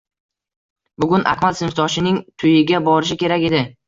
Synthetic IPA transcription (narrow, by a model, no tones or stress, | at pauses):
bʊɡʲʊnʔa̰kmalsɪmɪft̪ʰɒʃɪnɪŋt̪ʰʊjɪɡʲabɒɾɪʃ̬ɪkʲe̞ɾakʲe̞d̪ɪ